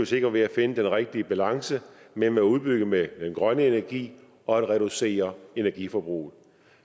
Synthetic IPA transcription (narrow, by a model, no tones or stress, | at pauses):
ose̝ɡ̥ɐdʋe̝æfe̝nəd̥enʁɛɡ̥̚d̥iəb̥ælɑ̈ŋsəmemeæuð̞ˠb̥yɡ̥əmed̥enɡ̥ʁɶnəe̝næɐɡ̥ḭː | ɒ̽æd̥ʁɛɾuse̝̰ːɐe̝næɐɡ̥ifɒ̽b̥ʁṵːð̩ˠ